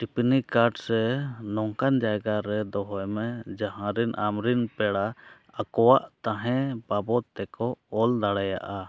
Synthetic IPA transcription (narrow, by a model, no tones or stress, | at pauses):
ʈipnikaɾɖsɛnɔŋkand͡ʒajɡaɾɛd̪ɔɦɔjmɛd͡ʒãɦãɾɛnʔamɾinpɛɽa | akɔwaʔt̪ãɦɛ̃babɔt̪ːɛkɔɔld̪aɽaja̰ʔa